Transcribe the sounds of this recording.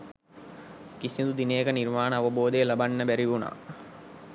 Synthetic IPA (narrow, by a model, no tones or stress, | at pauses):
kisind̪ud̪ineːkənirmaːnəaʋəboːd̪ejlabanːəbæɾiʋuna̰ː